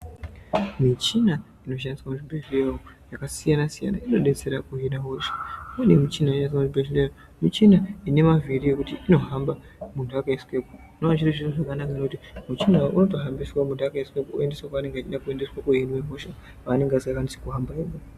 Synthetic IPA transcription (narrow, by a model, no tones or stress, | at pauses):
mit͡ʃina | ino̞ʃ̬andiswamuʐibeʃleo | jakasijanasija̰na̰ino̞ɗe̞t͡se̞ɾakuɦinaɦoʃḁenemit͡ʃinaianis̬wamuʐibeʃleo | mit͡ʃinaine̞maviɾiekutiino̞ɦamba | muntʰuakaiskwepu | noaʐiriʐioʐakanakanokutimut͡ʃinaʔuno̞taɦambiswamundakaiskwepuue̞ndeswakaane̞ŋɡeat͡ʃiɗakue̞nde̞swakuinwemo̞ʃa | ʋaːne̞ŋɡeasakanisi̥kuɦambaeɓo